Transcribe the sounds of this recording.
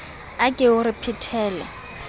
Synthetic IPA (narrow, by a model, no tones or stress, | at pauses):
akʼɪʊrɪpʰitʰɛːlɛ̰